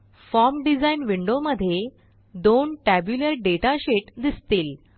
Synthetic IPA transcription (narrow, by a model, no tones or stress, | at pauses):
fɔɾmɖid͡zainʋiɳɖoməd̪ʱːje | d̪onʈæbjuləɾɖeʈaɕeʈd̪ist̪iːl